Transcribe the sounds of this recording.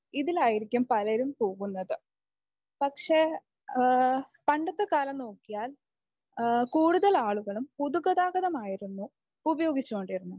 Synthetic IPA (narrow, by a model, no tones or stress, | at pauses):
iðilaːjiɾikʲːumpɐlɐɾumpo̞ːɣunːɐðɨ | pɐkʂe̞ | pɐɳɖɐt̪ːɐkaːlɐmno̞ːkːijaːl | kuːɽuðɐɭaːɭuɣɐɭumpuðuɡɐðaːɣɐðɐmaːjiɾunːu | ubɐjo̞ːɡit͡ɕːuɣo̞ɳɖiɾunːu